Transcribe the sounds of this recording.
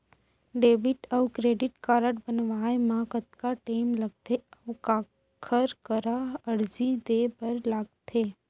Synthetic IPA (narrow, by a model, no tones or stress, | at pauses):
ɖeːʋɪʈəʋkɾeːɖɪʈkaːɾəʈbənʋaːemãkət̪kaʈeːmlɐɡ̚t̪ʰeɐʋka | kʰəɾkəɾaəɽd͡ʒid̪epəɾlaːɡ̚t̪ʰe